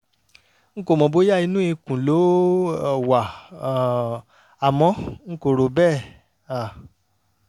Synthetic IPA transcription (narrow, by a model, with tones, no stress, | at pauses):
ŋ̩˦ko˦˨mɔ̃˨bo˦ja˦˨i˧nũ˦i˧kũ˨lo˨˦˨ | wa˨ | a˨mɔ̃˧˦ŋ̩˦ko˨ɾo˨bɛ˦˨ | a˨